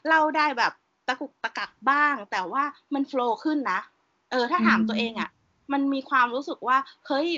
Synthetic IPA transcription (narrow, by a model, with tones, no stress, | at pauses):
la˥˩wdaː˥˩jbɛː˨˩p̚ | t̪a˧ku˨˩k̚t̪a˧ka˨˩k̚baː˥˩ŋt̪ɛː˨˩waː˥˩ma˧nfloː˧kʰɯ˥˩nːa˦˥ʔ | ʔɤː˧t̪ʰaː˥˩t̪ʰaː˩˦mt̪u˧ɐʔeː˧ŋʔa˨˩ | ma˧nmiː˧kʰwaː˧mɾuː˦˥sɯ˨˩k̚waː˥˩hɤ˦˥j